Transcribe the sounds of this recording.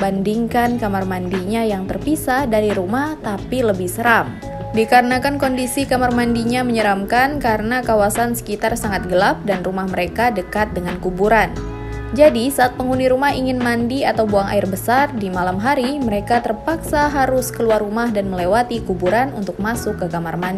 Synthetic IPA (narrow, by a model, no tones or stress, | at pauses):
bandiŋkankamarmandiɲajaŋt̪ərpisadaɾiɾumaht̪apiləbɪhsəɾam | dikaɾənakankɔndisikamarmandiɲaməɲəɾamkankaɾənakawasansə̥kit̪arsaŋat̪̚ɡəlap̚danrumahməɾekadəkat̪̚dəŋankubuɾan | d͡ʒadisaːt̪̚pəŋuniɾumaɦiŋɪnmandiat̪awbuaŋʔa̰ɪrbəsardimalamɦaɾiməɾekat̪ərpaksaɦaɾʊskəluarumahdanməlewat̪ikubuɾanunt̪ʊk̚masʊkːəkamarmandi